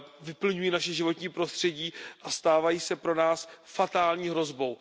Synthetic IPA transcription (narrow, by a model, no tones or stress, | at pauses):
vɪpl̩ɲujiːnaʃɛʒɪvo̞t̪ɲiːpɾo̞st̪r̝̥ɛɟiːʔast̪aːvajiːsɛpɾo̞naːsfat̪aːlɲiːɦɾo̞zbo̞w